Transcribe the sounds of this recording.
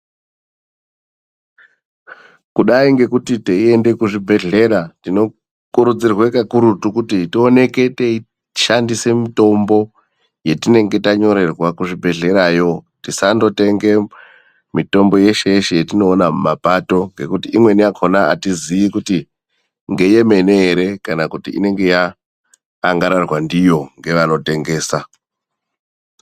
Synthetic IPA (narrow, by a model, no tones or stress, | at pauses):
kuɗaiŋɡe̞kutite̞ie̞nde̞kuʐibʱe̞ɮe̞ɾatino̞ | kuɾud͡zirwekakuɾutukutitio̞ne̞ke̞tei | ʃandise̞mito̞mbo̞ | je̞tine̞ŋɡe̞taɲo̞ɾe̞rwakuʐibʱe̞ɮe̞ɾajo̞tisando̞te̞ŋɡe̞ | mito̞mbo̞je̞ʃe̞jeʃe̞jetino̞ːnamapato̞ŋɡe̞kutiʔimwe̞niakʰo̞naa̰tizijikuti | ŋɡe̞je̞me̞neːɾe̞kanakutiḭne̞ŋɡe̞jaː | ŋɡaɾarwandijo̞ŋɡe̞ʋano̞te̞ŋɡe̞ːsa